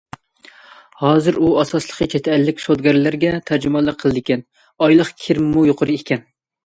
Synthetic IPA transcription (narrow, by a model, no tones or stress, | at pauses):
hɑːzɨɾuɑsɑslˠəqʰət͡ʃʰɛt̪ʰɛːlːɪkʲsod̪ɡʲæɾɪlæɾɡʲɛt̪ʰæɾd͡ʒɪmɑlˠəqʰəlˠɨd̪ɪkʲʰɛn | ɑjlˠəχkʲʰɪɾmmujoqʰəɾɨekʲʰɛn